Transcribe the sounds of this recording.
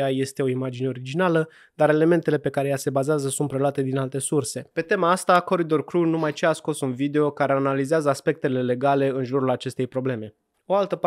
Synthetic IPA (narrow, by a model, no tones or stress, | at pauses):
aje̞st̪e̞o̞imad͡ʒine̞o̞ɾid͡ʒinalə | d̪aɾe̞le̞me̞nt̪e̞le̞pe̞kaɾe̞jase̞bazeazəsunt̪̚pɾe̞loat̪e̞d̪inalt̪e̞surse̞pe̞t̪e̞maast̪ako̞ɾid̪o̞rkɾunumajt͡ʃeasko̞sunvid̪e̞o̞kaɾe̞analizeazəaspe̞k̚t̪e̞le̞le̞ɡale̞ɨnʒuɾulat͡ʃe̞st̪e̞jpɾo̞ble̞me̞ | o̞alt̪əp